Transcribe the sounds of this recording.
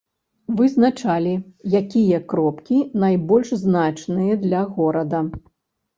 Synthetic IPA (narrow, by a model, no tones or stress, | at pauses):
vɨznat͡ʂalʲijakʲijɐkɾɔpkʲinajbɔlʲʂznat͡ʂnɨjɐd̪lʲɐɣɔɾɐd̪ɐ